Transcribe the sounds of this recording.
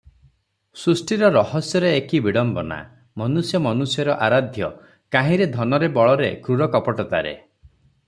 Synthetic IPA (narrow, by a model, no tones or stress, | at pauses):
sɾusʈiɾɔɾɔɦɔsjɔɾeekibiɽɔmbɔna̰ | mɔnusjɔmɔnusjɔɾɔʔaɾad̪ʱjɔ | kaɦĩɾed̪ʱɔnɔɾebɔɭɔɾekɾuɾɔkɔpɔʈɔt̪aɾḛ